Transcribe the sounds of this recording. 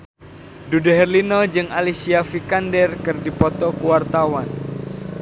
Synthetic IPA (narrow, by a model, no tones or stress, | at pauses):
dudɛɦɛrlinɔd͡ʒɨŋalisiafikandɛrkɨrdipɔt̪ɔkuwart̪awan